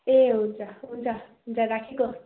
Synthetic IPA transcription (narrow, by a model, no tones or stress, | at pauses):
eɦunt͡saɦunt͡sʰaɦunt͡saɾakʰeko